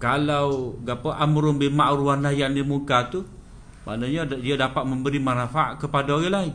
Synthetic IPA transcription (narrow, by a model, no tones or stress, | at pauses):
kalawɡapəʔamɾʊmbemaʔɾuanajanimukat̪u | ma̰ʔnaɲadiadapat̪̚məmbəɾimanafaaʔkəpadaoɣalaɪn